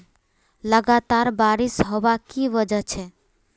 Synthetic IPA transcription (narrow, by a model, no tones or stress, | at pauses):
ləɡat̪aɾbaɾisɦobakibəd͡ʒət͡ʃʰɛ